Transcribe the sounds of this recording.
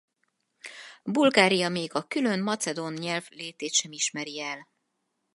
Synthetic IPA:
bulɡaːɾijɒmeːɡɒkylønmɒt̪sɛd̪onɲɛlvleːt̪eːt̪ʃɛmiʃmɛɾiɛl

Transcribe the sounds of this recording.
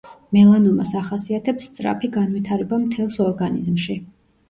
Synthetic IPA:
mɛlˠanɔmasaχasiat̪ʰɛpst̪sʼɾa̰pʰiɡanwit̪ʰaɾɛbamt̪ʰɛlˠsɔɾɡanḭzmʃi

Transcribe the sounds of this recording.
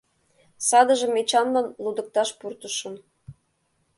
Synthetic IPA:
sɑd̪ə̆ʒə̆met͡ɕɑnlɤnlud̪ə̆k̚t̪ɑʃpurt̪ə̆ʃə̆n

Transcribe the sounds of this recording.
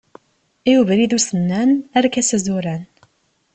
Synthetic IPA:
iwuvɾiðusənːænæɾkæsəzuɾæn

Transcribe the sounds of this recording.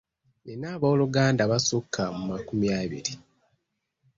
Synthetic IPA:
enaːβooluɡaːndaβasukʰːamumakumjaːβḭɾi

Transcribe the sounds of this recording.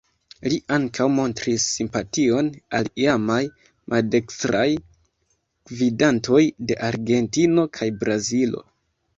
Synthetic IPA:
liʔaŋkʰawmo̞ntɾisːimpatio̞naliamaj | mʔalde̞kstɾaj | ɡ̥vidanto̞jde̞ʔaɾɡe̞ntino̞kʰajbɾazilo̞̰

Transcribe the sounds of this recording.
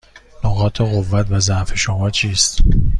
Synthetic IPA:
noɣɒːt̪ʰeɣovːæt̪ʰvæzæʔfeʃomɒːt͡ʃʰiːst̪

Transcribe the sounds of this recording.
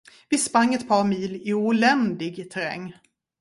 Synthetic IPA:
vɪspɾaŋːɛt̪̚pʰɑːɾmiːlɪuːlɛnd̪ɪɡt̪ʰæɾɛ̰ŋː

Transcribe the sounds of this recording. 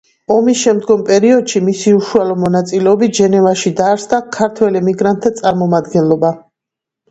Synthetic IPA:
ɔmisʃɛmd̪ɡɔmpʼɛɾiɔd̪̥ʃimisiuʃualɔmɔnat̪sʼilɛɔbit̪̚ʰʒɛnɛvaʃid̪aːɾsd̪akʰaɾt̪ʰwɛlimiɡɾant̪ʰːat̪sʼaɾmɔmad̪ɡɛnlˠɔba

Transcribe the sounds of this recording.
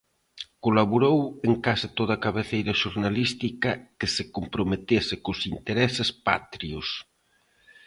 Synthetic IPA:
kolaβuɾoweŋkasat̪oðɐkaβeθejɾɐʃuɾnalist̪ikɐkesekompɾomet̪esɪkosint̪eɾɛsɪspa̰t̪ɾios

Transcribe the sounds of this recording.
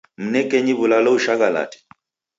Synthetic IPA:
m̩nɛkɛɲiβulalɔuʃaɣala̰tɛ̥

